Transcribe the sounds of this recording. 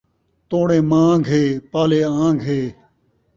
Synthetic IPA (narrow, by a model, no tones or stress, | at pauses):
t̪õːɽẽːmãːɡʱeːpaːleːãːɡʱɦeː